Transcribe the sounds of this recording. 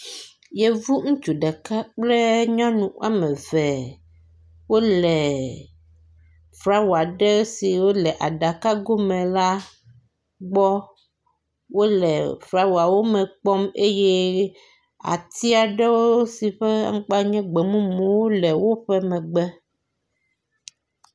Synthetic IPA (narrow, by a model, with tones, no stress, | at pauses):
jɛ˦vu˦ŋũ˦t͡ʃu˨ɖɛ˨ka˦k͡plɛ˦ɲã˦nũ˨a̰˦mɛ̃˨vɛ˨ | wo˦lɛ˨ | fɾa˦wa˨ɖɛ˦si˨wo˦lɛ˨ʔa˨ɖa˨ka˦ɡo˦mɛ̃˨la˦ | ɡ͡bɔ˦ | wo˦lɛ˨fɾa˦wu˨a˨wo˦mɛ̃˨k͡pɔ˦me˦jɛ˦ | a̰˨t̪i˦a˨ɖɛ˦wo˦o˦si˨ɸɛ˦a̰˦ŋ̩˦k͡pa˦ɲɛ̃˦ɡ͡bɛ˨mũ˦mũ˨wo˦lɛ˨wo˦ɸɛ˦mɛ̃˨ɡ͡bɛ˦